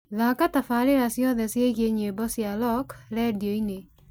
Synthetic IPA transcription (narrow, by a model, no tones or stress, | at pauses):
ðakatafaɾeɾasjɔðɛsjeɣeɲebɔsjalɔkɾɛdioine